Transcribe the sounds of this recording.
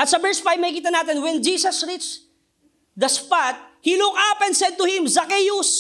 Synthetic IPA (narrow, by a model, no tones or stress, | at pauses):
ʔɐt̪sɐbɛɹsfajvmɐhikiːt̪ɐnaːt̪ɛnwɛ̃nd͡ʒiːsɐsɹit͡ʃ | d̪ɐspat̪̚hilʊkapɛnd̪sɛd̪̚t̪ʊhɪ̃mzɐkɛjʊs